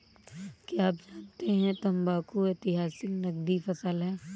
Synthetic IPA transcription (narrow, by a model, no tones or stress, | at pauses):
kjaːp̚d͡ʒaːnt̪eɦɛ̃t̪ɐ̃mbaːkoeːt̪ɪɦaːsɪknɐɡ̚d̪ifɐsəlɦɛː